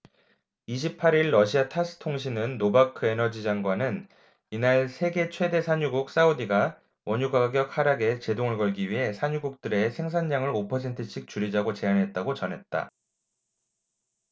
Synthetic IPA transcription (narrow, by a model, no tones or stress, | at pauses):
iɕ̬ʰipʰaɾiɭːʌɕʰiatʰas͈ʰɯ̥tʰoŋɕ̬ʰinɯnːobakʰɯe̞nʌd͡ʑid͡ʑaŋɡwanɯn | inaɭsʰe̞ɡe̞t͡ɕʰwe̞de̞sʰaɲuɡuk̚s͈aodiɡa | wʌɲuɡaɡjʌk̚haɾaɡe̞t͡ɕe̞doŋɯɭkʌɭɡiɥiɦe̞sʰaɲuɡuk̚t͈ɯɾe̞sʰe̞ŋs̬ʰand͡ʑaŋɯɾopʰʌs̬ʰe̞ntʰɯɕʰik̚t͡ɕuɾid͡ʑaɡot͡ɕe̞anɦe̞t̚t͈aɡot͡ɕʌnɦe̞t̚t͈a̰